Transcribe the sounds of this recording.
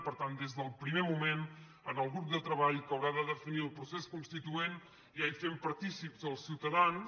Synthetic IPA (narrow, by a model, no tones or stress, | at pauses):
pəɾt̪and̪ezðəlˠpɾimemumen | ənəlˠɣɾup̚d̪ət̪ɾəβaʎkəwɾaðəðəfiniəlˠpɾuseskunst̪it̪uen | iafempəɾt̪isipzəlˠsiwt̪əðan